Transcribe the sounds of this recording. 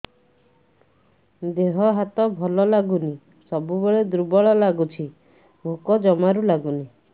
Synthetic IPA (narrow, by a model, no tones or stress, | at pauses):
d̪eɦɔɦat̪ɔbʱɔlɔlaɡuni | sɔbubeɭed̪ɾubɔɭɔlaɡut͡ʃʰi | bʱukɔd͡ʒɔmaɾulaɡuni